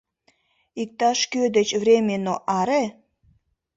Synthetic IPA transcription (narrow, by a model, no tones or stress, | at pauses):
ik̚t̪ɑʃkød̪et͡ɕvrʲemʲenoʔɑɾe